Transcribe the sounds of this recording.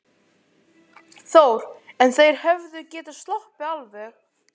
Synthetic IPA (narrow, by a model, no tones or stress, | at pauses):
θowɾ̥ɛnθejɾ̥hɛvðʏcɛːt̪ast̪lɔhpɪalvɛx